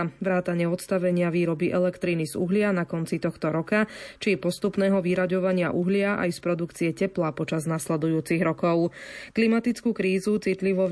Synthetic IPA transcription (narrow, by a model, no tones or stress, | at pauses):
ʋɾaːt̪aɲɪɛɔt̪st̪aʋɛɲɪaʋiːɾɔbiʔɛlɛkt̪ɾiːnizṵɦlɪanakɔnt͡sit̪ɔxt̪ɔɾɔkat͡ʃipɔst̪upnɛːɦɔʋiɾaɟɔʋaɲɪa̰ʔuɦlɪaʔa̰jspɾɔd̪ukt͡siɛcɛplaːpɔt͡ʃaznaslɛd̪ujuːt͡siɣɾɔkɔʊklimat̪it͡skuːkɾiːzut͡sit̪liʋɔ